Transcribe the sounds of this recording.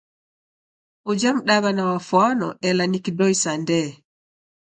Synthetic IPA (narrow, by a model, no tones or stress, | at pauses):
ʔɔd͡ʒamɗaɡanawafwanɔ̰ʔɛlanikidɔjsandɛː